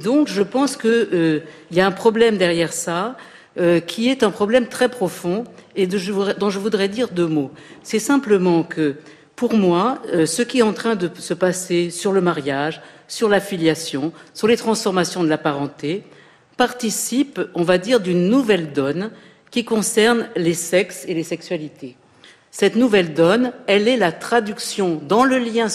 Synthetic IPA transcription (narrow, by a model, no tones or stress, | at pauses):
d̪ɔ̃kʒəpɑ̃skəøiljaɛ̃pχɔblɛmd̪ɛʁjɛʁsa | økʲʰiɛt̪ɛ̃pχɔblɛmt̪χɛpχɔfɔ̃eʒəvuʁɛd̪ɔ̃ʒəvud̪ʁɛd̪iʁd̪ømosɛsɛ̃pləmɑ̃kʰə | puʁmwasəkʲiɛt̪ɑ̃t̪χɛ̃d̪əsəpasesyʁləmaʁjaʒsyʁlafiljasjɔ̃syʁlet̪χɑ̃sfɔʁmasjɔ̃d̪əlapaʁɑ̃t̪e | paʁt̪isipɔ̃vad̪iʁd̪ynːuvɛld̪ɔn | kʲikɔ̃sɛʁnlesɛkselesɛksɥalit̪ʰe | sɛt̪nuvɛld̪ɔnɛlɛlat̪χad̪yksjɔ̃d̪ɑ̃ləljɛ̃